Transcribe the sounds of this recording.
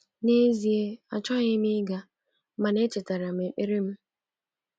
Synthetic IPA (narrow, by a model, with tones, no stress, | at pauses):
ne˦zi˨e˦a̰˨t͡ʃɔ˦ɲɪ˦mi˦ɡa˦ | ma˨ne˦t͡ʃɪ˨ta˨ɾa˨me˨i˦ɾi˦m̩˦